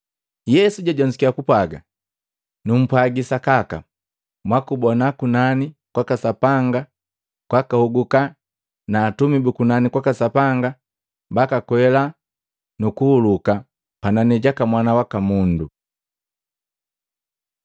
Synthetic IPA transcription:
jɛsuɟaɟɔɲd͡ʒikiakupwaɡa | num̩pwaɡisakaka̰ | mwakubɔnakunanikwakasapaŋɡa | kwakahuɡuka | naːtumibukunanikwakasapaŋɡa | bakakwɛla | nukuhuluka | pananɛɟakamwanawakamundu

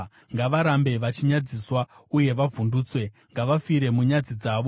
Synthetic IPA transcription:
ŋɡaʋaɾambe̞ʋat͡ʃiɲad͡ziswauje̞ʋavʱunduːt͡swe̞ | ŋɡaʋafiɾe̞muɲad͡zid͡zaːʋo

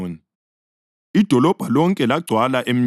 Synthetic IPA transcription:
ni | id̥ʱɔlɔb̥ʱalɔŋkʼɛlaɡ͡ǀʱwalaʔem̩

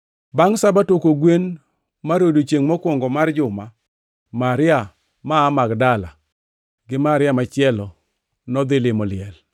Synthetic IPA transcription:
baŋsabatokoɡwen | maɾodot͡ʃeŋmɔkwɔŋɡɔmard͡ʒʊma | maɾɪa | maːmakdala | ɡɪmaɾɪamat͡ʃɪɛlɔ | nɔd̪ɪlɪmɔlɪɛl

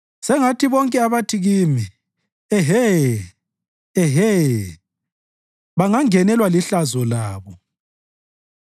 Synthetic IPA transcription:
sɛŋatʰiβɔŋkʼɛaβatʰiɣimi | ɛɦɛ | ɛɦɛ | βaŋaŋɛnɛlwaliɬazɔlaːβɔ

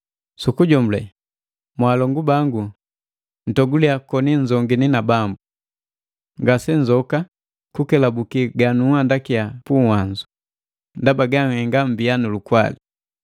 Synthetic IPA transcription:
sukuɟɔmulɛ | mwaːlɔŋɡubaŋɡu | n̩tɔɡuliakɔniɲd͡ʒɔŋɡininabambu | ŋɡasɛɲd͡ʒɔka | kukɛlabukiɡanuandakijapuŋwaɲd͡ʒu | ndabaɡaŋɛŋɡam̩bijanulukwa̰li

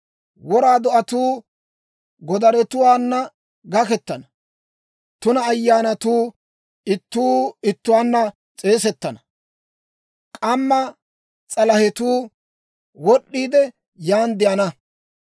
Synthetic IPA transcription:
wɔɾaːd̪ɔʔɐt̪uː | ɡɔd̪ɐɾɛt̪ʊwaːnːɐ | ɡɐkɛt̪ːɐnɐ | t̪ʊnɐːjːaːnɐt̪uː | ɪt̪ːuːɪt̪ːʊwaːnːɐ | t͡sʼe̞ːsɛt̪ːɐnɐ | kʼɐmːɐ | t͡sʼɐlɐhɛt̪uː | wɔɗːiːd̪ɛ | jaːnd̪ɪjɐnɐ

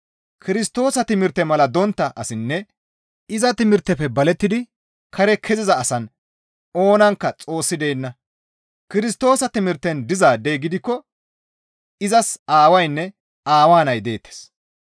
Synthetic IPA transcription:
kʰɪɾɪst̪o̞ːsɐt̪ɪmɪɾt̪ːɛmɐlɐd̪ɔnt̪ːɐʔɐsɪnːɛ | ɪzɐt̪ɪmɪɾt̪ːɛpːɛbɐlɛt̪ːɪd̪ɪ | kʰɐɾɛkʰɛzɪzɐːsɐn | o̞ːnɐŋkːɐt͡sʼo̞ːsːɪd̪eːnːɐ | kɪɾɪst̪o̞ːsɐt̪ɪmɪɾt̪ːɛnd̪ɪzaːd̪eɡɪd̪ɪkːɔ | ɪzɐsaːwɐjnːɛ | aːwaːnɐjd̪e̞ːt̪ːe̥s

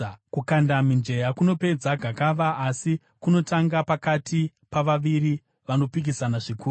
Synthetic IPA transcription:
kukandamind͡ʒe̞jakuno̞pe̞d͡zaɡʱakaʋaːsi | kuno̞taŋɡapakati | paʋaʋiɾi | ʋano̞pik̬isanaʐikuː

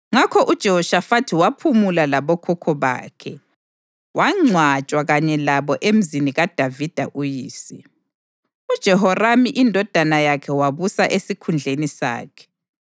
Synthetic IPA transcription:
ŋakʰɔʔud̥ʒ̥ʱɛɦɔʃafatʰiwapʰumulalaβɔkʰɔkʰɔβa̰ːkʰɛ | wʔaŋ͡ǀʱwat͡ʃʼwaɣaɲɛlaβɔʔem̩ziniɣad̥ʱavid̥ʱa̰ʔujiːsi | ud̥ʒ̥ʱɛɦɔramiʔindʱɔd̥ʱanajakʰɛwaβusaʔesikʰund͡ɮʱenisa̰ːkʰɛ̥

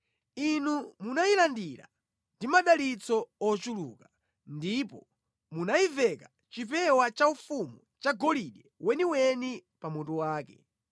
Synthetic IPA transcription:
inumunailandiɾa̰ | ndimaɗalit͡sɔɔt͡ʃulṵka | ndipɔ | munaivɛka | t͡ʃipɛwat͡ʃaufumut͡ʃaɡɔliɗɛwɛniwɛnipamutuwaːkɛ̰

